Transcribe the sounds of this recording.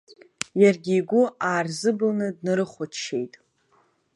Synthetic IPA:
jarɡʲiːɡʷʊaːrzɨbɨlnɨdnɨɾɨχʷʊtʃe̞jtʼ

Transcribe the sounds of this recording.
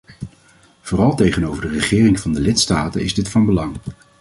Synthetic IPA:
v̥oːrɑlˠtejχənowvəɹdərəχɪːrɪŋv̥ɑndəlɪtstaːtə̰nɪ̰zdɪtfɑnbəlɑŋ

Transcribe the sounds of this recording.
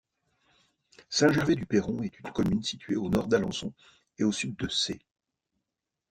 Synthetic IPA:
sɛ̃ʒɛʁved̪ypeʁɔ̃ɛt̪ynkɔmynsit̪ɥeonɔʁd̪alɑ̰̃sɔ̰̃ | eosyd̪̚ːəse

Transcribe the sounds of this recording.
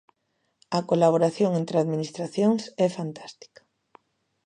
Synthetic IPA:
ɐkolaβ̞oɾaθjoŋent̪ɾɪaðminist̪ɾaθjoŋsɛfant̪ḁst̪i̥kḁ

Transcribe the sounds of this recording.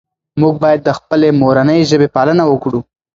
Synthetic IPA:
muɡ̚bɑjad̪ːəxpəlemoɾanəjʒəbepɑlənawəkɽu

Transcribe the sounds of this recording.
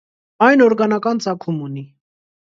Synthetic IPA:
ɑjnɔɾɡɑnɑkɑnt͡sɑkʰumuni

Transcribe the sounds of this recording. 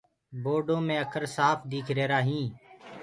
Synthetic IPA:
boːɖõːmẽːəkʰəɾsaːpʰd̪iːkʰɾeːɾaːɦĩː

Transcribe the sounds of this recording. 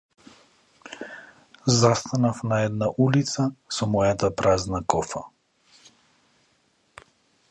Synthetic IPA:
zast̪anafnaɛd̪naʔulit̪sasɔmɔjat̪apɾaznakɔfa̰

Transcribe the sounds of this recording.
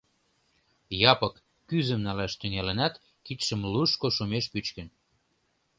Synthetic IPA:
jɑpəkː | yzəmnɑlæʃt̪yŋælənɑt̪ | kit̪ʃəmluʃkoʃumeʃpyt͡ɕkən

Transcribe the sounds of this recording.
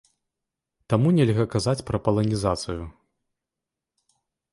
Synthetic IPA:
t̪amunʲɛlʲɣɐkazat͡sʲpɾɐpɐlˠɐnʲizat̪sɨju

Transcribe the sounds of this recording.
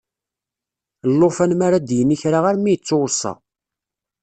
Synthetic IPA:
lːofænmaɾad̪jənːiçɾaʁaɾmijt͡sːowɾsˤɑ̰

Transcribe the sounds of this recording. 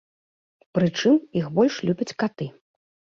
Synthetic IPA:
pɾɨt͡ʂɨmixbɔlʲʂlʲubʲɐt͡sʲkat̪ɨ

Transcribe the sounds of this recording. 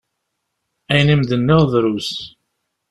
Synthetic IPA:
æjnimðənːəʁðˤɾus

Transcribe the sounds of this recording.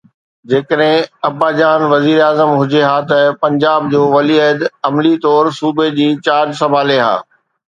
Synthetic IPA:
d͡ʑeːkəɗɦɪ̃ɐbaːd͡ʑaːnʋɐziːɾaːzəmɦʊd͡ʑeɦaːt̪ɐpɐ̃ɲd͡ʑaːb̚d͡ʑoːʋɐliəd̪ɐmlit̪ɔːɾsuːbed͡ʑĩːt͡ɕaːɾd͡ʑsɐbʱaːleɦa̰ː

